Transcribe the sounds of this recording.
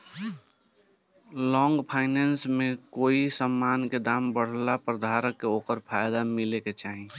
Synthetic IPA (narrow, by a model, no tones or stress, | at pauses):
lɔːŋɡpʰaɪnɛːnsmẽkoːisəmːaːnked̪aːmbəɽ̤lapɾəd̪ʱaɾəkːeoːkəɾpʰaːjd̪amɪleket͡ʃaːɦi